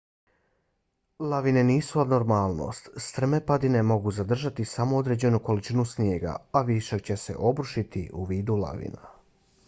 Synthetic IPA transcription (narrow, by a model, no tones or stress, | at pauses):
lˠaʋine̞niːsuad̪noɾmaːlˠno̞̰st̪st̪ɾmepad̪ine̞mo̞ɡuzad̪r̩ʒat̪isamo̞od̪ɾe̞d͡ʑe̞nuko̞lit͡ʃinusnjeːɡa̰aʋiʃakt͡ɕe̞se̞̰ʔo̞bɾuʃit̪ḭʔuʋiːd̪ula̰ʋḭna̰